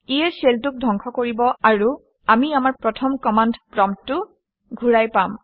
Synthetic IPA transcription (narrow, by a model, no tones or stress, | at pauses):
ijɛseltʊk̚dʱɔŋkʰɔkoɹibɔaɹu | amiamaɹpɹɔtʰɔmkɔmandʱpɹɔmtʊ | ɡʱuɹajpam